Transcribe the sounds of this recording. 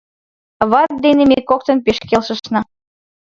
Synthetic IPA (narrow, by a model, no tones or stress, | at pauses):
βɑt̪̚d̪enemekok̚t̪ɤ̆npeʃkelʃə̆ʃnɑ